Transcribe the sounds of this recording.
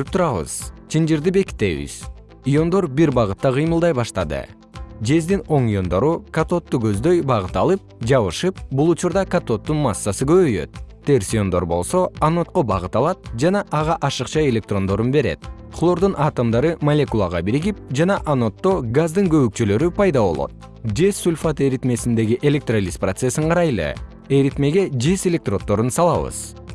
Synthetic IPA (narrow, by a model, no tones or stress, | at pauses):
yp̚t̪ʰuɾɑβɯ̰z̥t͡ʃʰind͡ʒiɾd̪ibe̞ki̥t̪ːe̞̰βḭz̥ | ijo̞nd̪o̞ɾbiɾbɑʁɯt̪ːɑqʰɨjmɯlˠd̪ɑjbɑʃt̪ɑd̪ɯ̰ | d͡ʒe̞zd̪ino̞ŋijo̞nd̪o̞ɾukat̪o̞t̪ːuɡø̞zd̪ø̞jbɑʁɯt̪ɑlˠɯp̚d͡ʒɑβɯʃɯp̚bulˠut͡ʃuɾd̪ɑkat̪o̞t̪ːunmɑsːasɯɡø̞βøjø̞̰t̪̚t̪e̞rsʲio̞nd̪o̞ɾbo̞lˠso̞ano̞t̪̚qo̞bɑʁɯt̪ɑlˠɑt̪̚d͡ʒɑnɑʔɑʁɑʔɑʃɯqt͡ʃɑe̞lʲe̞k̚t̪ro̞nd̪o̞ɾunbe̞ɾe̞̰t̪flˠo̞ɾd̪unʔɑːt̪omd̪ɑɾɯmɐlʲekulˠɑʁɑbiɾiɡip̚d͡ʒɑnɑʔano̞t̪ːo̞ɡazd̪ɯŋɡø̞βyk̚t͡ʃylø̞ɾypʰɑjd̪ɑβo̞̰lˠo̞̰t̪̚ | d͡ʒe̞sːulʲfat̪eɾit̪me̞sind̪e̞ɡiʔe̞lʲe̞k̚t̪rolʲisprot̪se̞siɴqʰɑɾɑjlˠɯ̰ | eɾit̪me̞ɡe̞d͡ʒe̞se̞lʲe̞k̚t̪ro̞t̪ːo̞ɾunsɑlˠɑβɯ̰z̥